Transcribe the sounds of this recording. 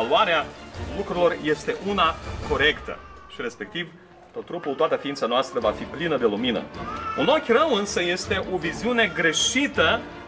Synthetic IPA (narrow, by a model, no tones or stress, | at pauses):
luaɾealukɾuilo̞rje̞st̪e̞ʔunako̞ɾe̞kt̪ə̰ | ʃiɾe̞spe̞k̚t̪iv | t̪ot̪ːɾupult̪oat̪əfiint̪sanoast̪ɾəvafiplinəd̪e̞luminə̰uno̞kʲrəmɨnsəje̞st̪e̞ʔo̞viziune̞ɡɾe̞ʃit̪ə